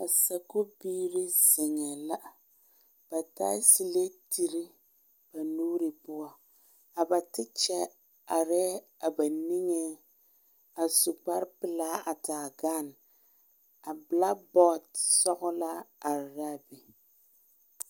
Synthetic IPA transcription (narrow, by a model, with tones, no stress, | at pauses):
a˨sa˨kʊ˦biː˦ɾɪ˦zɪ˨ŋɛ˨la˦ʔ | b̥a˨taː˦si˨le˦ti˨ɾi˦ | b̥a˨nuː˦ɾɪ˨pʊ˦a˨ | a˨ba˨tɪ˦t͡ʃɛ˦ | a˨ɾɛ˦ | a˨ba˨ni˦ŋɛ˦ | a˨sʊ˨k͡pa˦ɾpɪ˨laː˦a˨taː˨ɡa˦˨n | a˨bla˦kbɔ˦tsɔ˦ɣʊ˦la˦a˨ɾɾa˦bɪ˨